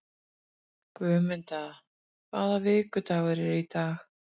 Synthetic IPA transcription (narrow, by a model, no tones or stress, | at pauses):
kvʏːmɪnt̪a | kʰvaːðavɪːkʏt̪awɛɾɛɾit̪ʰax